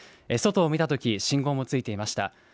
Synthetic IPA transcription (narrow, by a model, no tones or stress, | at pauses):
eso̞t̪o̞ːmʲit̪at̪o̞kʲiɕĩŋɡo̞ːmo̞t͡sɨit̪e̞imaɕi̥t̪a̰